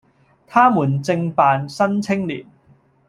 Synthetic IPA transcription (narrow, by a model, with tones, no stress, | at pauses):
t̪ʰaː˥muː˨˩nt͡sɪ˧ŋpaː˨nsɐ˥nt͡sʰɪ˥ŋliː˨˩n